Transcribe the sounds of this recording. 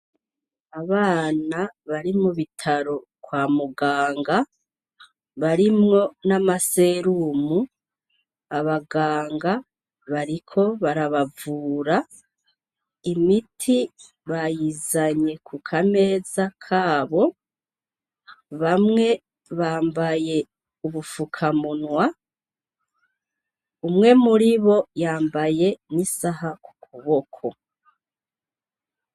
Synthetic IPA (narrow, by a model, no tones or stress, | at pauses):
aβaːnaβaɾimuβitʰaɾo̞kwaːmuɡaːŋɡa | βaɾimŋo̞namase̞ɾumu | aβaɡaːŋɡa | βaɾikʰo̞βaɾaβavuːɾa | imitʰi | βajizaɲe̞kʰukʰame̞ːzakʰaːβo̞ | βamŋe̞ | βaːmbaje̞ | uβufukʰamunwa | umŋe̞muɾiβo̞jaːmbaje̞nisaɦaku̥kʰuβo̞kʰo̞